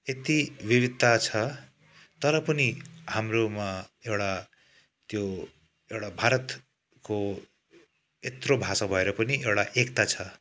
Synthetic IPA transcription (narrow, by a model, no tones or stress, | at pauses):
et̪ibibid̪̚tat͡sʰʌ | t̪ʌɾʌpʌnihamromaewɽa | t̪jo | ewɽabʱaɾʌt̪ | ko | et̪robʱasabʱʌeɾʌpʌniewɽaʔekt̪at͡sʰʌ